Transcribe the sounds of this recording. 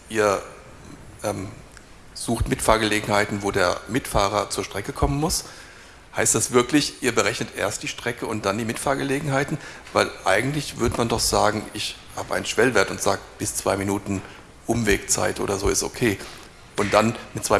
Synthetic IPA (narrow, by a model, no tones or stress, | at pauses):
ʔiːɐ | ʔɛːm | z̥uːxtmɪtfaːɐɡəleːɡŋ̩haɪtn̩voːdeːɐmɪtfaːʁɐt͡suːɐʃtʁ̥ɛkəkʰɔmənmʊs | haɪstd̥asv̥ɪɐklɪçʔiːɐbəʁɛçnətʔḛːɐstd̥iːʃtʁ̥ɛkəʊnt̚d̥andiːmɪtfaːɐɡəleːɡŋ̩ɦaɪtn̩vaɪlʔaɪɡŋ̩tlɪçv̥ʏɐdəmandɔχz̥aːɡŋ̩ɪçhaːbəʔaɪnən̩ʃv̥ɛlveɐtʊntz̥aːɡəb̥ɪst͡sv̥a̰ɪminuːtn̩ | ʔʊmveːkt͡sa̰ɪtʔo̰ːɾɐzoːɪsto̰kʰeː | ʔʊntd̥anmɪtt͡sv̥aɪ